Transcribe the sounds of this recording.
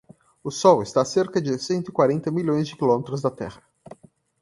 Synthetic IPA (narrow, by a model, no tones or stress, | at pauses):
ʊsɔwɪst̪aseɾkɐd͡ʒɪsẽnt̪ʊikwaɾẽnt̪ɐmiʎõj̃zd͡ʒɪkilɔmet̪ɾʊzd̪ɐt̪ɛ̰ʁɐ